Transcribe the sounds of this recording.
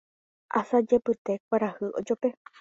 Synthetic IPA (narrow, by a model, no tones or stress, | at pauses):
ʔa̰sad͡ʒe̞pɨt̪e̞kʷaɾahɨʔod͡ʒope̞